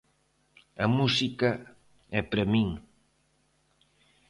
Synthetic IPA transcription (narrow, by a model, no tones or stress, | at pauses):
ɐmusika | ɛpɾemiŋ